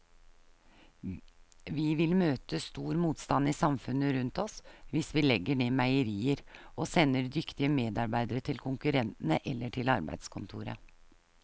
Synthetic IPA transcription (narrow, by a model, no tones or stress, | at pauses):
ʋɪʋɪlmøːt̪əst̪uːɾmuːt̪st̪ɑnisɑmfʉnəɾʉnt̪ɔsʋɪsʋɪːlɛɡːəɳeːmæɪəɾiːəɾʔoːsɛnːəɾd̪ʏkt̪ɪəmeːd̪ɑɾbæɪd̪əɾət̪ʰɪlkʰʊŋkʉɾɛnt̪nəʔɛlːəʈʰɪlɑɾbæ̰ɪd̪skʰʊnt̪ʰṵːɾə̰